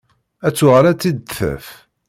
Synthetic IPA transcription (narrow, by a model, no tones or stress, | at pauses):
æt͡sːʊʁɾæt͡sːid̪θæ̰f